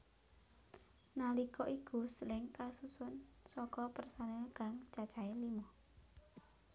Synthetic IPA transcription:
nalikɔʔikṳsəlɪŋkasusʊnsɔkɔpərsanəɡ̥aŋt͡ʃat͡ʃaelimɔ

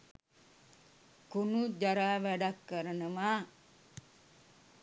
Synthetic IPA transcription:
kunud͡ʒaɾaʋadakːəɾənəma

